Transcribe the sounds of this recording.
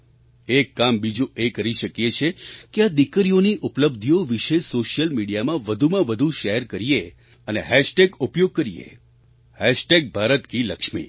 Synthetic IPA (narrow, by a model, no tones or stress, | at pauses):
ekːambid͡ʒũʔekəɾiʃəkjet͡ʃʰekead̪ikɾijoniʔupləb̚d̪ʱijoʋiʃesoʃijəlmiɽijamãʋəd̪ʱumãʋəd̪ʱuʃeɦɛɾkəɾije | əneɦɛʃʈeɡupjoɡ̚kəɾiḛ | hɛʃʈeɡ̚bʱaɾət̪kiləkʃmḭ